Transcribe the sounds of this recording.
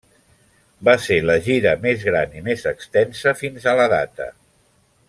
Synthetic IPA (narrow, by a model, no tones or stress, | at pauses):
baseləʒiɾəmezɣɾanimezəkst̪ɛnsəfinzələða̰t̪ə̰